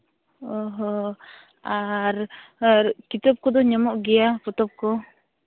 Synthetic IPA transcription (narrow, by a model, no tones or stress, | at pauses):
ɔɦɔ | aɾɾkit̪ap̚kɔd̪ɔɲamɔʔɡɛjapɔt̪ɔp̚kɔ